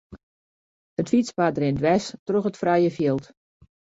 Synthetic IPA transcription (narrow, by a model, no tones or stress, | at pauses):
hətfit͡spadrɪndʋɛstroxətfrɛjəfjilˠt